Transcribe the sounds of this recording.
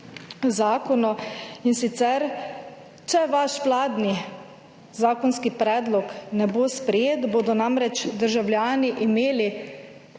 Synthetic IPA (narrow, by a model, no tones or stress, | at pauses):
zaːkɔnɔinsit̪sɛɾ | t͡ʃɛʋaʃʋlaːd̪ni | zaːkɔnskipɾɛːd̪lɔknɛboːspɾɛjeːt̪boːd̪ɔnamɾɛt͡ʃd̪əɾʒawlʲjaːniʔimeːli